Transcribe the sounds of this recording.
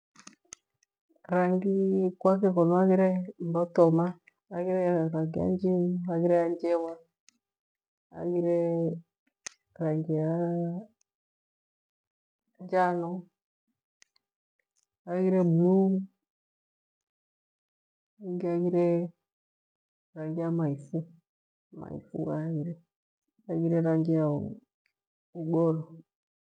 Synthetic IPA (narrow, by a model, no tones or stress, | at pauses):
ɾaŋɡikwakɛkɔnɔaɣiɾɛmbɔtɔmaː | ɣiɾɛɾaŋɡia̰ɲd͡ʒimuaɣiɾɛaɲd͡ʒɛwa | a̰ɣiɾɛ | ɾaŋɡija | ɲd͡ʒanɔ | aɡiɾɛbulum | aŋɡiaɡiɾɛ | ɾaŋɡiamaifu | ma̰ḭfṵaɡiɾɛ | aɡiɾɛɾaŋɡia | uɡɔɾɔ